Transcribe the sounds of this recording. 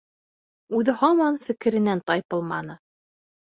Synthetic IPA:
ʉðɘhɑmɑnfɘ̆kɘ̆ɾɘ̆nænt̪ɑjpɤ̆lˠmɑnɤ

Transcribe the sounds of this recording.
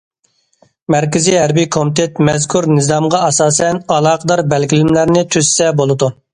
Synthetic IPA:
mɛɾkʲɪzijɦæɾbijkʰomt̪ʰet̪mɛzkʰuɾnɪzɑmʁɑɑsɑːsɛnɑlˠɑːqʰəd̪ɑɾbɛlɡʲilɪmlæɾnɪt̪ʰysːɛbolˠɨd̪u

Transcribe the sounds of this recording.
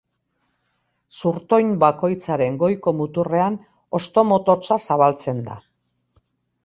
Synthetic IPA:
suɾt̪o̞jnbako̞jt͡saɾe̞ŋɡo̞jko̞mut̪ure̞an | o̞st̪o̞mo̞t̪o̞t͡sasaβalt͡se̞nd̪a̰

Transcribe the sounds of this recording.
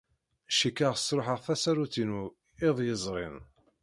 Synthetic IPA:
ʃikːaʁsɾoħəʁθæsæɾuθinu | ɪðˤjəzˤʁɪ̰n

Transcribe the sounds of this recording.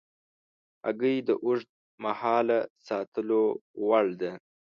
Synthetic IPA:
a̰ɡəjd̪əʔʊʐd̪̚ | mahɑːlasɑt̪əlowaɭd̪e

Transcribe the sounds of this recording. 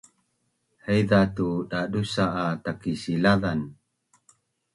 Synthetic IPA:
həjðatudadusaʔːtakisilaðan

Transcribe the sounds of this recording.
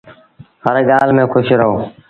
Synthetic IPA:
həɾeːɠaːlmẽːkʰʊʃeɾəɦoː

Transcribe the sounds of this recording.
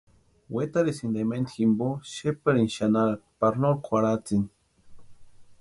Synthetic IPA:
wet̪aɾesind̪ement̪ximboʃepaɾinʃanaɾapaɾnoɾkʰwʷaɾat͡sin

